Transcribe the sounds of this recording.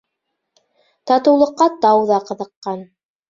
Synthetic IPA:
t̪ɑt̪ɤ̆wlˠɤ̆qːɑt̪ɑwðɑqɤ̆ðɤ̆qːɑn

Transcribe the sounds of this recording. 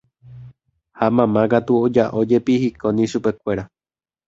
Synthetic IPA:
hamãmãkat̪uod͡ʒaʔod͡ʒe̞pihikʰonĩʃupe̞kʷe̞ɾa

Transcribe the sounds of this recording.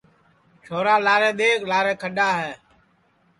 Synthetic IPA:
t͡ʃʰoːɾaːlaːɾẽːɗ̪eːklaːɾẽːkʰəɗaːɦɛː

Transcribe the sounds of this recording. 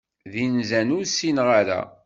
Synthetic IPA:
ðinzænʊɾsinʁaɾæ̰

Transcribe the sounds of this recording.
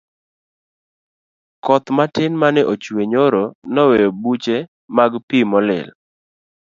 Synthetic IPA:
kɔt̪matɪnmanɪʔot͡ʃweɲoɾonɔwejobut͡ʃe | maɡpimɔlɪ̰l

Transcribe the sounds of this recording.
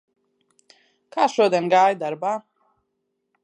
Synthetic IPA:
kʰaʃɔd̪ɛnɡaːjd̪aɾba

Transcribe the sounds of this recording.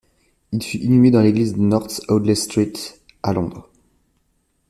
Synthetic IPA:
ilfyʔinymed̪ɑ̃leɡlizd̪ənɔʁt̪ɔd̪lest̪χit̪ | alɔ̃d̪ʁ

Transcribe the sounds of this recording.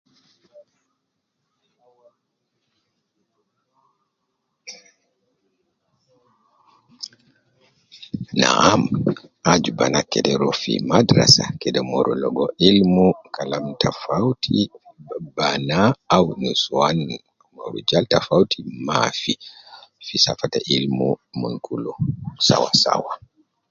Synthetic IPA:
na̰ʔamʔad͡ʒubanakːɛdɛɾɔfḭmadɾa̰sakɛdɛmɔɾɔlɔɡɔʔilmukalamtʰafawtʰi | banaːwnuswan | mɔ̰ɾud͡ʒaltafawtʰimafifisafataʔilmumunkʰulɔsa̰wasa̰wa

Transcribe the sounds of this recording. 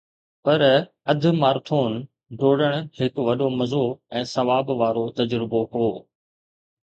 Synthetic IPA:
pɐɾ | ɐd̪ʱʊ̆maːɾt̪ʰoːn | ɖoːɽəɽ̃hɪkʋɐɗomɐzoɛ̃ːsɐʋaːbʋaːɾot̪ɐd͡ʑɾɪboɦoː

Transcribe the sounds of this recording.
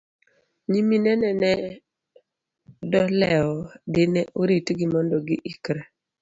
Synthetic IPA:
ɲiminɛnɛnɛ | dɔlɛɔdɪnɛʔoɾitɡɪmɔndɔɡɪʔikɾɛ

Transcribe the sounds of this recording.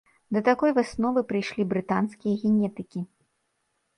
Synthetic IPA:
d̪ɐt̪akɔjvɨsnɔvɨpɾɨjʂlʲibɾɨt̪anskʲijɐɣʲɛnʲɛt̪ɨkʲi

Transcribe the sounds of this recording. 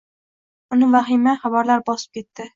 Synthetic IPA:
ʊnɪvaχɪmaχabaɾlaɾbɒsɪ̥p̚kʲʰe̞t̪ːɪ

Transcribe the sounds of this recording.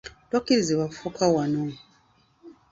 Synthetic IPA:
twakiɾiziβafukʰawano

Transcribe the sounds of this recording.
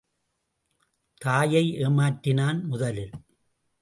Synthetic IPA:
t̪aːjɐɪʔeːmaːʈːɪnaːnmʊðɐlɪl

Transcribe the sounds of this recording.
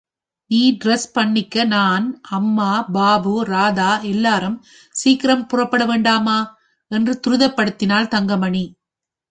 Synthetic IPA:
niːɖɪɾɛspɐɳːɪkːɐnaːnɐmːaːbaːbɯɾaːðaːʔɛlːaːɾɯm | siːkɪɾɐmpʊrɐpːɐɽɐʋeːɳɖaːmaː | ɛndrɯt̪ʊɾɯðɐpːɐɽɯt̪ːɪnaːlt̪ɐŋɡɐmɐɳi

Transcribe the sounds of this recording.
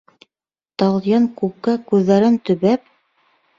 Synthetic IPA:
t̪ɑlˠjɤŋkukːɑkʉðːæɾɘnt̪ɵ̆βæp̚

